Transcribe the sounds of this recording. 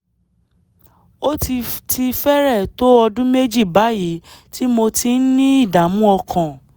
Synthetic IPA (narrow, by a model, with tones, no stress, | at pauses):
o˦ti˧ti˧fɛ˦ɾɛ˦˨to˦ɔ˧dũ˦me˦d͡ʒi˦˨ba˨˦ji˨˦ti˦mo˧ti˧n̩˦nĩ˦i˦˨da˨˦mũ˦ɔ˧kʰã˨